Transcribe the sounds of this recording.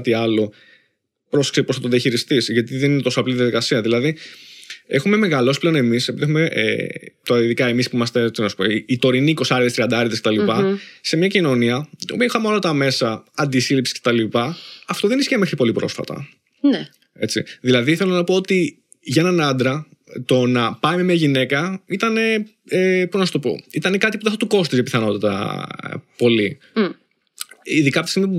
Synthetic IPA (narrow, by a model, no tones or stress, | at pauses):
t̪iɐlo̞ | pɾo̞se̥ksepɾost̪ɐt̪oðiɐçiɾist̪isʝɐt̪iðeninet̪o̞soɐpliðiɐðikɐsiɐðilɐði | e̞xume̞me̞ɣɐlo̞sple̞o̞ne̞misepiðie̞xumeʔḛt̪oiðikɐemispuimɐst̪e̞inɐsu̥poːt̪o̞ɾiniːko̞sɐɾðest̪ɾiɐnd̪ɐɐɾt̪esket̪ɐlipɐse̞mɲɐcino̞niɐṵmeixɐmolɐt̪ɐme̞sɐɐnd̪isilipsi̥scet̪ɐlipɐɐft̪o̞ðe̞nisçeme̞xɾipo̞lipɾo̞̰sfɐ̰t̪ɐ̰ | n | e̞t͡sḭðilɐðiθe̞lonɐpoot̪i | ʝɐnɐnɐnd̪ɾɐt̪o̞nɐpɐjmemeɐʝine̞kɐit̪ɐne̞ | epunɐst̪o̞po̰it̪ɐnekɐt̪ipuðeθɐt̪uko̞st̪izepiθɐno̞t̪ɐt̪ɐ̰ | po̞li | iðikɐpot̪isimiɐ